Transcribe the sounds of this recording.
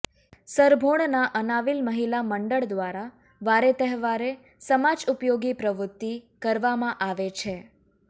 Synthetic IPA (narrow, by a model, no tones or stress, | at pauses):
səɾbʱoɳ̃naʔənaʋilməɦilaməɳɖəɭd̪ʋaɾa | ʋaɾet̪əɦʋaɾe | səmad͡ʒupjoɡipɾəʋɾʊt̪ːikəɾʋamãʔaʋet͡ʃʰe